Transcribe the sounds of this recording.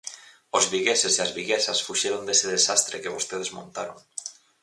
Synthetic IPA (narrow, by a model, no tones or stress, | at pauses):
ozβiɣesesiazβiɣesasfuʃeɾond̪eseðesast̪ɾekeβ̞ost̪eðezmõnt̪aɾo̰ŋ